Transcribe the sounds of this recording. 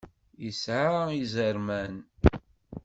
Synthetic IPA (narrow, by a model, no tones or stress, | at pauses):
jəsʕaizəɾmæn